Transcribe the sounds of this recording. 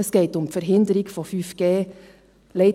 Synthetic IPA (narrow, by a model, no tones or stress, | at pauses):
əskeɪt̪ʊmfœɾɦɪnd̪əɾɪɡ̥fɔfyfɡ̥eː | lɛɪ